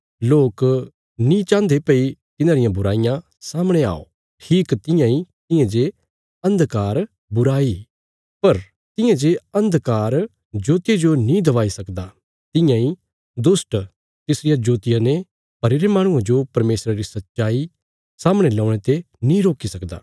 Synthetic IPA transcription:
loːk | nĩt͡ʃãːnd̪epɐit̪ɪnãɾɪjãbʊɾaːɪjã | saːməɽ̃ea̰ːo̰ | ʈʰiːkt̪ɪ̃jãĩt̪ɪ̃jãd͡ʒe | ɐ̃nd̪kaːɾ | bʊɾaːi | pɐɾ | t̪ɪ̃jãd͡ʒeɐ̃nd̪kaːɾ | d͡ʒoːt̪ɪjed͡ʒonĩd̪ɐʋaːisɐkd̪a | t̪ɪ̃jãĩ | d̪ʊsʈ | t̪ɪsɾɪjad͡ʒoːt̪ɪjane | pɐɾeɾemaːɽ̃ʊ̃ãd͡ʒopɐɾmeːsɾaɾisɐt̪ːt͡ʃaːi | saːməɽ̃elɔ̃ːɽ̃et̪e | nĩːɾoːkisɐkd̪a̰ː

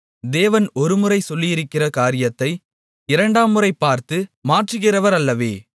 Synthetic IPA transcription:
d̪eːʋɐnɔɾɯmɯrɐɪsɔlːɪjɪɾɯkːɪrɐkaːɾɪjɐt̪ːɐɪ | ɪɾɐɳɖaːmɯrɐɪpːaːɾt̪ɯmaːʈrɯɣɪrɐʋɐɾɐlːɐʋeː

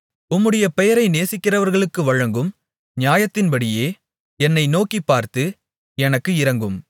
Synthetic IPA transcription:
ʊmːɯɽɐjɐpɛjɐɾɐɪneːsɪkːɪrɐʋɐɾɣɐɭɯkːɯʋɐɻɐŋɡɯm | ɲjaːjɐt̪ːɪnpɐɽɪjeː | ɛnːɐɪnoːkipːaːɾt̪ɯ | ɛnɐkːɯɪɾɐŋɡɯm

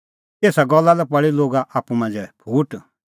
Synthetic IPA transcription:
eːsaɡɔlːalɛpɐɭiloːɡaʔaːpːumãnd͡ʒɛpʰuːʈ

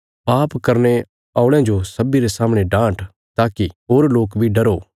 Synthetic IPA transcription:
paːpkɐɾne | aːʊɽ̃ãd͡ʒosɐbiɾesaːmɽ̃eɖãːʈ | t̪aːkiɦoːɾloːkbʱiɖɐɾo

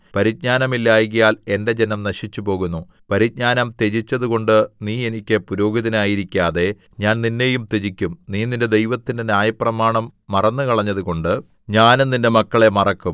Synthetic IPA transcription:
pɐɾit̚ɲaːnɐmilːaːjɣɐjaːle̞nde̞d͡ʑe̞nɐmnɐɕit͡ɕːupo̞ːɣunːu | pɐɾit̚ɲaːnɐmt̪e̞d͡ʑit͡ɕːɐðuɣo̞ɳɖɨniːe̞nikʲːɨpuɾoːɡiðɐnaːjiɾikʲːaːðe̞ | ɲaːnninːe̞jumt̪e̞d͡ʑikʲːumniːninde̞d̪e̞jʋɐt̪ːinde̞nʲjaːjɐprɐmaːɳɐmːɐrɐnːɨkɐɭɐɲːɐðuko̞ɳɖɨ | ɲaːnninde̞mɐkːɐɭe̞mɐrɐkːum

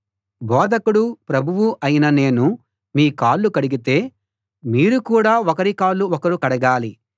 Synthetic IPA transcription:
bɔːd̪ʱɐkuɽupɾɐbʱuʋuʔɐjinɐne̞ːnu | miːkaːɭːukɐɽiɡit̪e̞ː | miːɾukuːɽaːɔkɐɾikaːɭːuɔkɐɾukɐɽɐɡaːli

